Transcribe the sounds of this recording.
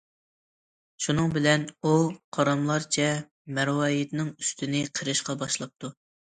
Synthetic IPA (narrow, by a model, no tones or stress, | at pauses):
ʃunɨŋbɪlɛnuqʰɑɾɑmlˠɑɾt͡ʃʰɛ | mɛɾwɑjit̪nɪŋyst̪ɪnɪqʰəɾɨʃqɑbɑʃlˠɑp̚t̪ʰu